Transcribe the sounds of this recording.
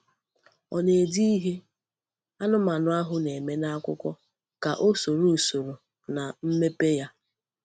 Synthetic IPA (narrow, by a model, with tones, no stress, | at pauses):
ɔ˨ne˨e˨di˦i˦ɦe˦ | a˦nʊ˦ma˨nʊ˨a˦ɦʊ˦ne˨me˦na˦a˦kʷʊ˦kʷɔ˦ | ka˨ʔo˦so˨ɾo˦˨so˨ɾo˨ | na˨m̩˦me˦pe˦ja˦